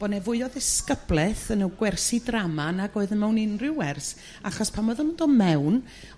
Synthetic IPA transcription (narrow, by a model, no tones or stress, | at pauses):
b̥ɔnɛvʊɨɔðɪskəblˠɛθənəwɡwɛrsidramanaɡoːɨðənmɛwnɪnrɪwɛrs | aχɔspʰamɔðɔnundɔmɛwn